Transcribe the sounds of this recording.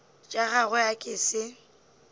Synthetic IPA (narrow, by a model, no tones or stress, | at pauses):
t͡ʃʼaɣaɣʊakʼɪsɪ